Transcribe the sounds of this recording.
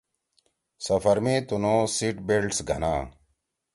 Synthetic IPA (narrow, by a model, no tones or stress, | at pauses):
sɐfɐɾmiːt̪unoːsiːʈbelɖsɡʱɐna̰ː